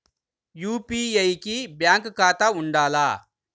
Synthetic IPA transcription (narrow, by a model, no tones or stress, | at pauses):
juːpiɐjkibjaːŋkkaːt̪ɐuɳɖaːlaː